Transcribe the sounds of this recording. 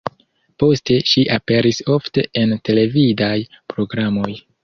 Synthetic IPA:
po̞ste̞ʃiʔape̞ɾiso̞fte̞ente̞le̞vidaj | pɾo̞ɡɾamo̞j

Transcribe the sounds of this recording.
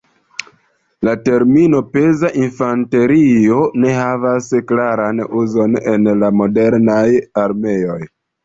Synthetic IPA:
late̞ɾmino̞pe̞zaʔinfante̞ɾio̞ne̞ɦavasklaɾanuzo̞ne̞̰nlamo̞de̞ɾnajaɾme̞o̞j

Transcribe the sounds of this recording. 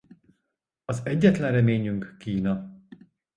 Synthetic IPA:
ɒzɛɟːɛt̪lɛnrɛmeːɲyŋkːiːnɒ

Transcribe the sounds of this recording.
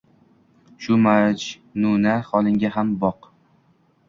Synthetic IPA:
ʃʊmad͡ʒ | nʊnaχɒlˠɪŋɡʲaɦambɒq

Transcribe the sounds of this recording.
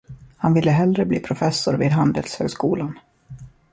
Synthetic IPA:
hanvɪlːəɦɛlɾəbliːpʰɾʊfɛsːʊɾviːd̪ɦand̪əlshø̰ːɡskuːlan

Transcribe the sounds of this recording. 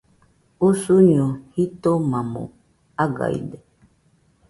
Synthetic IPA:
usuɲohit̪omãmo̰ | aɡa̰ḭdɛ

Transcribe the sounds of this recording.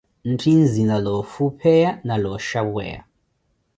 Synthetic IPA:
n̩tʰinzinalɔfupʰɛjanalɔʃawɛ̰ja̰

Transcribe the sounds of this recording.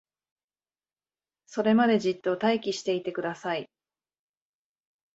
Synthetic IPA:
so̞ɾe̞mad̪e̞d͡ʑit̪ːo̞t̪aikʲiɕi̥t̪e̞it̪e̞kɯ̟d̪asai

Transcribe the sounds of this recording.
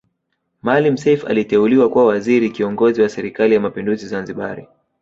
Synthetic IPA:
malim̩sɛjfa̰litɛuliwakuwawaziɾikiɔŋɡɔziwasɛɾikalijamapinduzizanziɓaɾḭ

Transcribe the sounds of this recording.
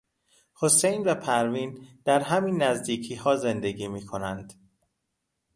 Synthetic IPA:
ho̞sejnvæpʰæɾviːnd̪̥æɾɦæmiːnːæzd̪iːcʰiːhɒːze̞nd̪eɡiːmiːkʰo̞nænd̪̥

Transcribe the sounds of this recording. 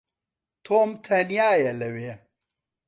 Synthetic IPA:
t̪ʰoːmt̪ʰɐnijaːjɐlɐwe

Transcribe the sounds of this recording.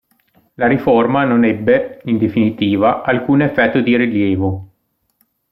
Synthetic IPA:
laɾiformanonɛbːeind̪efinit̪iːvaʔalkuːnefːɛt̪ːod̪iɾiljeːvo

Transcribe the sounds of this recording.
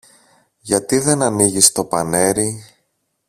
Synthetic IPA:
ʝɐt̪iðe̞nɐniʝist̪o̞pɐne̞ɾi

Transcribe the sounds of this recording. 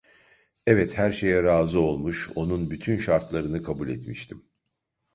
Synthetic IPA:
ɛvɛt̪hæɾʃe̞jɛɾaːzɯolˠmuʃo̞nunbyt̪ʰynʃaɾt̪lˠaɾɯnɯkʰabulʲɛt̪miʃt̪ʰim

